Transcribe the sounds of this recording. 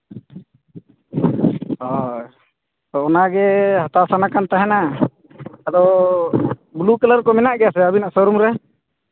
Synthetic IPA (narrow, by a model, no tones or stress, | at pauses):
ɔ | t̪ɔɔnaɡɛhat̪asanakant̪aɦɛna | ad̪ɔ | bulukələɾkɔmɛnaʔɡɛjasɛabinaʔsɔɾumɾɛ